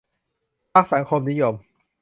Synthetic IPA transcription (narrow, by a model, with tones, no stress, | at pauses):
pʰa˦˥k̚sa˨˩˦ŋkʰo˧mni˦˥jo˧m